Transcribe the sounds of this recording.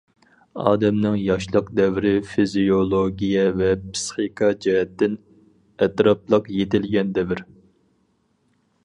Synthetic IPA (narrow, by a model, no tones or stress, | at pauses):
ɑ̰ːd̪ɛmnɪŋjɑʃlˠəqd̪ɛvɾɪfizijolˠoɡʲijɛvɛpʰsχikʰɑd͡ʒɛɦɛt̪ːɪn | ɛt̪ɾɑp̚lˠəqjet̪ɪlɡʲɛnd̪ɛvɪɾ